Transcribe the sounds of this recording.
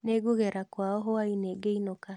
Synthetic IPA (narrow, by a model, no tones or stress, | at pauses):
neɡoɣɛɾakwaɔɦoaineɡeinoka